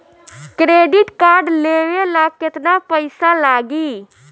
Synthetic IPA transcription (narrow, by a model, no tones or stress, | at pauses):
kɾeːɖɪʈkaːɾɖleːʋelaːkɪt̪napəɪsalaːɡiː